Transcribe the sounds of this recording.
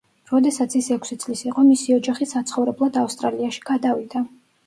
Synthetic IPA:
ɾɔd̪ɛsat̪sʰisɛkʷʰsit̪sʼlisiqʼɔmisiɔd͡ʒaχisat̪sʰχɔvɾɛblˠad̪afst̪ʼɾaliaʃi̥ɡ̥ad̪avid̪a

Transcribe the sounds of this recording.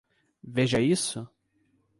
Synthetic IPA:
veʒɐisʊ

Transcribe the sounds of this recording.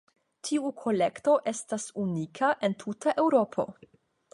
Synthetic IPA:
tʰiukʰo̞le̞kto̞ʔe̞stasunikʰaʔe̞ntʰutʰaʔe̞wɾo̞pʰo̞̰

